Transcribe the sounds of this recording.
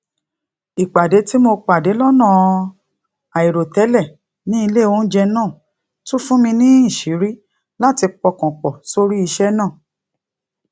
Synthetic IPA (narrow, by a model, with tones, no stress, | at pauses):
i˨k͡pa˨de˨˦ti˦mo˧k͡pa˨de˨˦lɔ˦nã˦˨ | a˨i˨ɾo˨tɛ˨˦lɛ˦˨ | nĩ˦i˧le˦˨wo˦n̩˦d͡ʒɛ˧nãː˦˨ | tu˦fũ˦mĩ˧nĩ˦ĩ˦˨ʃi˨˦ɾi˦ | la˦ti˧k͡pɔ˧kɔ̃˨k͡pɔ˨so˧ɾi˦i˧ʃɛ˦nãː˦˨